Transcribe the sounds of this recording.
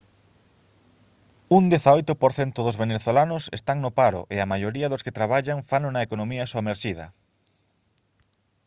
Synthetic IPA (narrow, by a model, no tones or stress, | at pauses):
und̪eθaojt̪ʊpoɾθent̪ʊðʊzβeneθolanʊsest̪aŋnʊpaɾʊ̰ʔeɐmajoɾiɐðʊsket̪ɾaβ̞aʎaŋfanʊnɐekonõmiɐsoameɾʃiðɐ̰